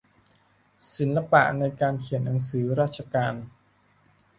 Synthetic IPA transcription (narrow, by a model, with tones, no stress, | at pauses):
si˩˦nla˧pa̰˧˩ʔna˧jkaː˧nkʰi˨˩˦ənːa˩˦ŋsɯː˩˦ɾaː˥˩t̪̚t͡ɕʰa˧kaː˧n